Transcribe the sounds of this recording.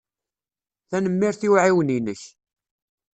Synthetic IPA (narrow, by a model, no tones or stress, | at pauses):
θænəmːiɾθiwʕiwəninəç